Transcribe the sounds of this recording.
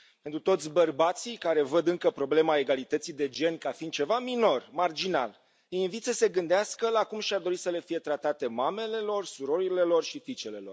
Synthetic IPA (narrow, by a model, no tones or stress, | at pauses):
pe̞nt̪ɾut̪o̞t̪sʲbərbat̪sikaɾe̞vəd̪ɨŋkəpɾo̞ble̞mae̞ɡalit̪ət̪sid̪e̞d͡ʒe̞nkafind̪̥̚t͡ʃe̞vamino̞rmard͡ʒina̰l | əjinvit̪səse̞ɡɨnd̪easkəlakumʃiard̪o̞ɾisəle̞fije̞t̪ɾat̪at̪e̞mame̞le̞lo̞rsuɾo̞ɾile̞lo̞rʃifit͡ʃe̞le̞lo̞r